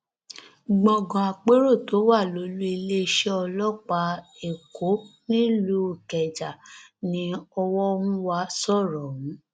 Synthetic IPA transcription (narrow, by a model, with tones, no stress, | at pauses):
ɡ͡bɔ̃˨ɡɔ̃˨a˨k͡pe˦ɾo˦˨to˨˦wa˦˨lo˨˦lu˦i˧le˦˧ʃɛ˦ɔ˧lɔ˦k͡pa˧˦e˨kʰo˨˦nĩ˦lo˦˨kɛ˨d͡ʒa˨nĩ˧˦ɔ˧wɔ˦o˧ũ˦wa˧˦sɔ˦˨ɾɔ˨wũ˨˦